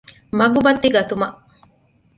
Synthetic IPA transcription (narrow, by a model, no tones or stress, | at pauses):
mɐɡubɐt̪ːiɡɐt̪umɐʔ